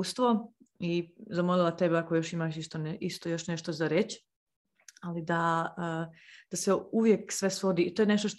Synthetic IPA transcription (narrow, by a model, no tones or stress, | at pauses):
st̪ʋo̞izamolilˠat̪e̞beako̞jo̞ʃimaʃist̪onist̪o̞jo̞ʃne̞ʃt̪o̞zaɾet͡ɕ | alid̪aəd̪̥aseuʋjeksʋe̞sʋo̞d̪iːt̪o̞jneʃt̪oʃt̪